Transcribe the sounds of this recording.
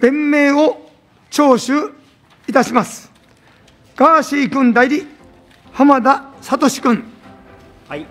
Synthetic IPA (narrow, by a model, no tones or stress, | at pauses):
b̥ẽ̞mːe̞ːo | t͡ɕo̞ːɕɨ | it̪aɕimasɨ̥ | ɡ̥aːɕiːkɯ̟̃nd̪aiɾʲi | hamad̪asat̪o̞ɕi̥kɯ̟̃n